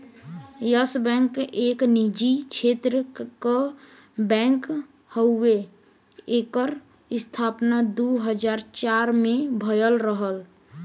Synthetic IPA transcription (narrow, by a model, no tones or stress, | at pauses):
jəsbɛ̃ːŋkeːknid͡ʒikt͡ʃʰeːt̪ɾəkə | bɛ̃ːŋk | həʊːe | eːkəɾ | ɪst̪ʰaːpnad̪uɦəd͡ʒaːɾt͡ʃaːɾmẽbʱəjəlɾəɦəl